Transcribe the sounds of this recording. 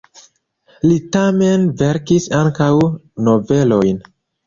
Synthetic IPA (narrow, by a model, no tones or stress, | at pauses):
litame̞nve̞ɾkisaŋkawno̞ve̞lo̞jn